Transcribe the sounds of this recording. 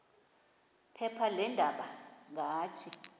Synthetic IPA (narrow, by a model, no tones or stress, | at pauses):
pʰɛpʰalɛndʱaɓaŋʱaːtʰi